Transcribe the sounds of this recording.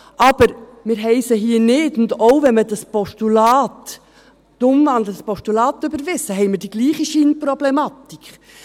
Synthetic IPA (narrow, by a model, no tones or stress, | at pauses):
ʔɑb̥əɾmɪːɾɦɛɪsəɦiːənɪtʊndowvɛnmədɑspɔʃtulɑːt | tʊmvɑnd̪lədəspɔʃtulɑːt̪ːøbəɾvɪsəɦɛɪmɪːɾd̥iɡ̥liːχiʃiːnprɔblɛmɑt̪ik